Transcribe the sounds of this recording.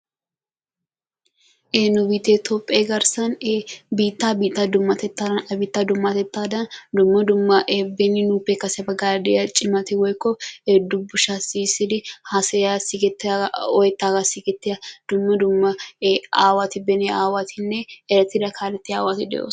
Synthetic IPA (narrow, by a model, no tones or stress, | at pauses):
ʔenʊbiːt̪ːeːt̪ʰopʼːeːɡɐɾsɐnebiːt̪ːaːbiːt̪ːad̪ʊmːɐt̪ɛt̪ːaːd̪ɐnɐbiːt̪ːad̪ʊmːɐt̪ɛt̪ːaːd̪ɐnd̪ʊmːɐd̪ʊmːɐʔebɛnɪnuːpːekːɐsɛbɐɡaːd̪ɛɐt͡ʃʼɪmɐt̪ɪwɔjkːɔd̪ʊbːʊʃaːsisɪd̪ɪhɐsɛasɪɡɛt̪ːɔjɛt̪ːaːɡasɪɡɛt̪ːɪɐd̪̥ʊmːɐd̪ʊmːɐaːwat̪ɪbɛnɛaːwat̪ʰɪnːɛɛɾɐt̪ːɪd̪ɐkʰaːlɛt̪ːɪa̰ːwat̪ɪd̪ɛ̰o̰̥ː